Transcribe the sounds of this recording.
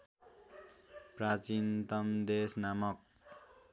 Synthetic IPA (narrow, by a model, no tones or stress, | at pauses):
prat͡sint̪ʌmd̪esnamʌk̚